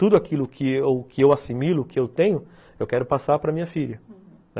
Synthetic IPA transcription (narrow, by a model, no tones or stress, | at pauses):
t̪ud̪ʊakilʊkʰɪokʰɪewasimilʊkɪewt̪ẽɲ̃ʊ | ewkɛɾʊpasaɾpɾɐmĩɲɐfiʎɐ | nɛ